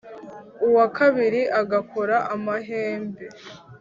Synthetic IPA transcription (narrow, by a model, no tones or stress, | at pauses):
uwakʰaβiɾiʔaɡakʰo̞ɾaʔamaɦeːmbe̞